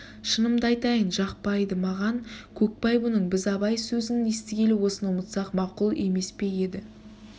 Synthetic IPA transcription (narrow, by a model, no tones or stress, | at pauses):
ʃənəmd̪ɑjt̪ɑjənʒɑqpɑjd̪əmɑʁɑnkʲʰɵk̚pɑjbʊnəɴbɪzɑbɑjsɵzɪnɪnest̪ɪɡʲe̞lɪwo̞sənwʊmət̪sɑqmɑqulˠe̞me̞spe̞e̞d̪ɪ